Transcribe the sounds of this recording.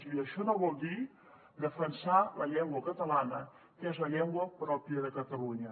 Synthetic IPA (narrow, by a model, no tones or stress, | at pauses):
iəʃonovold̪i | d̪əfənsaləʎɛŋɡwəkat̪alanə | kezəʎɛŋɡwəpɾɔpjəðəkat̪aluɲə